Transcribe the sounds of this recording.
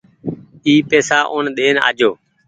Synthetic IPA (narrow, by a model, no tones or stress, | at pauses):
iːpeːsaːʔoːnɗ̪eːna̰ːd͡ʒoː